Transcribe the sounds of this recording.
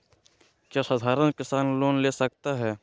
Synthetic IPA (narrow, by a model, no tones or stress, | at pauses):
kjaːsaːd̪ʱaːɾənkɪsaːnloːnlesɐk̚t̪aɦɛː